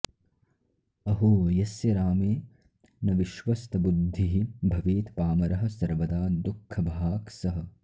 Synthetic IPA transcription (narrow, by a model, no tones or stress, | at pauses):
ɐɦoːɐjɐsjɐɾaːmeː | nɐʋiʃʋɐst̪ɐbud̪ʱːiɦibʱɐʋeːt̪paːmɐɾɐɦɐ̆sɐɾʋɐd̪aːd̪ukʰːɐbʱaːksɐɦɐ̆